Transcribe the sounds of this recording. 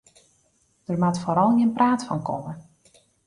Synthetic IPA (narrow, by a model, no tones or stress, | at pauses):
d̥ərmatfoɾɔlˠnənpraːtfɔ̰nkʰɔmə